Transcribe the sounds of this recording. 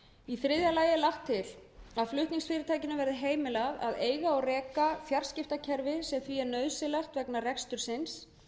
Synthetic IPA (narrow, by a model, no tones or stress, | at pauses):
iθɾɪðjalaːjɪlaxt̪ʰːɪlaðflʏht̪niŋksfɪːɾɪt̪ʰaːjcɪnʏvɛɾðɪɦeːjmɪlava̰ðeːjɣaɔɣrɛːkaθjaɾ̥scɪft̪acʰɛɾvɪsɛmθviɛɾnœːðsɪlaxt̪vɛknarɛkst̪ʏɾ̥sɪns